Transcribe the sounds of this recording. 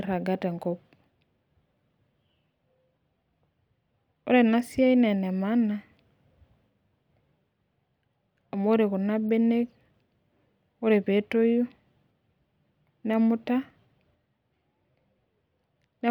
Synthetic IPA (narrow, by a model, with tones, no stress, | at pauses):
ɾa˨ɡa˦tɛ˨ŋkɔp̚ | o̰˦ɾe˨na˦sja˦i˦nɛ˨nɛ˨ma˦na˨ | o˨mo˦ɾe˨ko˨na˦be˦ne˦k | o˦ɾe˨pe˨˦to˦ju˦ | na˦mu˦ta˦ | nɛ˦